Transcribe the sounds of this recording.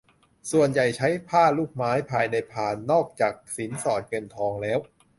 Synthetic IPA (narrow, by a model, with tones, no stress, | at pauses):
su˨˩ənja˨˩jt͡ɕʰa˦˥jpʰaː˥˩luː˥˩k̚maː˦˥jpʰaː˧jna˧jpʰaː˨˩nːɔː˥˩k̚t͡ɕaː˨˩k̚si˩˦nsɔː˨˩t̪̚ŋɤ˧nt̪ʰɔː˧ŋlɛː˦˥w